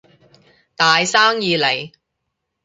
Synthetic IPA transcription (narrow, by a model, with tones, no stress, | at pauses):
t̪aː˨jsaː˥ŋjiː˨˧le˨˩j